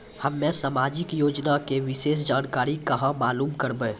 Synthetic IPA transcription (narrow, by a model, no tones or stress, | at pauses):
həmːẽsamaːd͡ʒɪkjoːd͡ʒnakeʋɪʃeːs̬d͡ʒaːnkaːɾikəɦãmaːluːmkəɾbẽː